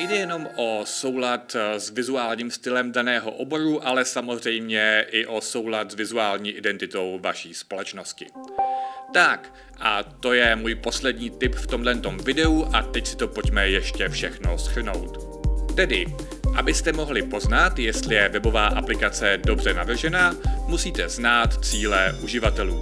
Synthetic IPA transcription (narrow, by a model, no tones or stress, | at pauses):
jdɛjɛno̞mʔo̞so̞wlat̪zvɪzuaːlɲiːmst̪ɪlɛmdanɛːɦo̞̰ʔo̞bo̞ɾuʔalɛsamozr̝ɛjmɲɛʔɪʔo̞so̞wlat̪zvɪzuaːlɲiːʔɪdɛnt̪ɪt̪o̞wvaʃiːspo̞lɛt͡ʃno̞scɪ̰ | t̪ak | ʔat̪o̞jɛmuːjpo̞slɛdɲiːt̪ɪpft̪o̞mdlɛnt̪o̞mvɪdɛuʔat̪ɛcsɪ̥t̪o̞po̞ɟmɛjɛʃcɛfʃɛxno̞sr̩no̞̰wt̪ | t̪ɛdɪ | ʔabɪst̪ɛmo̞ɦlɪpo̞znat̪jɛst̪lɪjɛvɛbo̞vaːʔaplɪkat͡sɛdo̞br̝ɛnavr̩ʒɛnaːmusiːt̪ɛznaːt̪t͡siːlɛʔuʒɪvat̪ɛluː